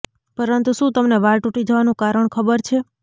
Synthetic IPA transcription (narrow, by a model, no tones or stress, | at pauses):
pəɾənt̪uʃũt̪əmneʋaɾʈũʈid͡ʒəʋanũkaɾəɳkʰəbəɾt͡ʃʰe